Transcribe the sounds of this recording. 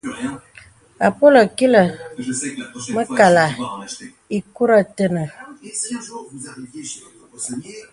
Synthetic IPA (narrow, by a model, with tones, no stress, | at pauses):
a˨po˦lə˨ki˦lə˨ | mə˦ka˨la˨ | i˨ku˦ɾə˦tə˦nə˨